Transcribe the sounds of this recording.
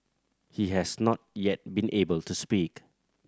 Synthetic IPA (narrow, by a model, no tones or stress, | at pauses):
hiɦɛsnɔt̚jɛt̚bĩnʔebəltuspik